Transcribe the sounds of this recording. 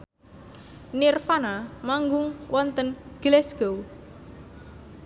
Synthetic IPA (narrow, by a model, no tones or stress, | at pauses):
nirfanamaŋɡʊŋwɔnt̪ənɡ̥lɛsɡ̥ow